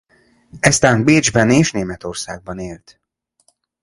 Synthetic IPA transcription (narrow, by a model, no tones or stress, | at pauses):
ɛst̪aːnbeːd͡ʒbɛneːʃneːmɛt̪o̞rsaːɡ̚bɒneːlt̪